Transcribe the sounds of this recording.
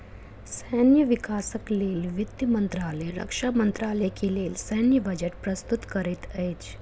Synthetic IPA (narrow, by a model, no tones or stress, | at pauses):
sənjəʋikaːsəkleːlʋit̪jəmənt̪ɾaːlɛɾə̰kʂamənt̪ɾaːlejkeleːlsənjəbəd͡ʒeʈpɾəst̪ut̪kəɾit̪əjt͡ʃ